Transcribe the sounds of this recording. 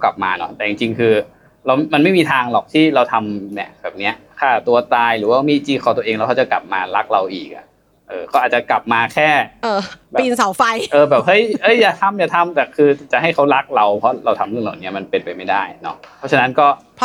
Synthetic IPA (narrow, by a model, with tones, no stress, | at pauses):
ka˨˩p̚maː˧nɔ˦˥t̪ɛː˨˩t͡ɕi˧ŋt͡ɕi˧ŋkʰɯː˧ | ɾa˧wma˧nma˥˩jmiː˧t̪ʰaː˧ŋlɔ˨˩k̚t̪ʰiː˥˩ɾa˧wt̪ʰa˧mni˦˥˩ɐb̥ɛː˨˩p̚ni˦˥ɐ | kʰaː˥˩t̪u˧ɐt̪aː˧jɾɯː˩˦waː˥˩miː˧˥˩t͡ɕiː˥˩kʰaː˨˩t̪u˧ɐ˧ʔeː˧ŋlːwkʰa˧˥wt͡ɕa˨˩kla̰˨˩p̚maː˧la˦˥k̚ɾa˧wʔiː˨˩k̚ʔa̰˨˩ʔ | ʔɤː˧˩kʰa˦˥waː˨˩t͡ɕa˨˩kla˨˩p̚maː˧kʰɛː˥˩˧bɛːpiː˨˧nsa˨˩˦wfa˧jʔɤː˧bɛː˨˩p̚hɤ˦˥˩jhɤ˦˥jːaː˨˩t̪ʰa˧mjaː˨˩t̪ʰa˧mt̪ɛː˨˩kʰɯː˧t͡ɕa˨˩ʔha˥˩jkʰa˦˥wɾa˦˥k̚ɾa˧wpʰɔ˦˥ɾa˧wt̪ʰa˧mlɯ˥˩na˨˩ni˦˥ɐma˧npe˧npa˧jma˥˩jdaː˥˩jnɔ˦˥ɔ˦˥t͡ɕʰa˧na˦˥nkɔː˥˩